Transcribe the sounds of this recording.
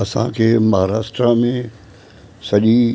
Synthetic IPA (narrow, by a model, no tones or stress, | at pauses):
ɐsã̰kʰeːmɐɦaɾaːʂʈɾamẽ | sɐʄi